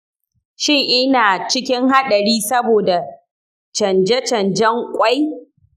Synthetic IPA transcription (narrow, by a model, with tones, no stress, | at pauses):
ʃɪ˦ŋʔɪ˦naː˨t͡ʃɪ˦kʲɪ˦ŋɦa˦ɗɐ˨ɾiː˦sɐ˦boː˨da˨ | t͡ʃɐ˨nd͡ʒɛ˦t͡ʃɐ˨nd͡ʒɛ˦ŋkʷʼa˦j